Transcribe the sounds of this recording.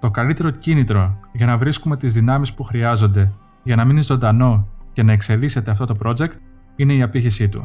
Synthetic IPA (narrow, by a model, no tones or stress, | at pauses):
t̪o̞kɐlit̪e̞ɾo̞cinit̪ɾo̞ʝɐnɐvɾiskume̞t̪izðinɐmispuxɾiɐzo̞nd̪e̞ | ʝɐnɐminizo̞nd̪ɐno̞ce̞nɐe̞kse̞lise̞t̪e̞ɐft̪o̞t̪o̞pɾo̞d͡ʒe̞kt̪ | ine̞iɐpiçisit̪ṵ